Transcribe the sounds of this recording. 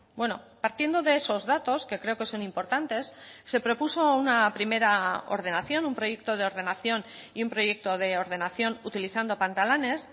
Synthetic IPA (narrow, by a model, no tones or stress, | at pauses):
bwe̞no̞̰paɾt̪je̞nd̪o̞ðe̞eso̞zðat̪o̞ske̞kɾe̞oke̞so̞nĩmpo̞ɾt̪ant̪e̞sːe̞pɾo̞puso̞unapɾime̞ɾao̞̰ɾðe̞naθjo̞numpɾo̞je̞k̚t̪o̞ð̞eo̞ɾð̞e̞naθjo̞niumpɾo̞je̞k̚t̪o̞ð̞e̞oɾð̞e̞naθjo̞nut̪iliθand̪o̞pant̪alane̞s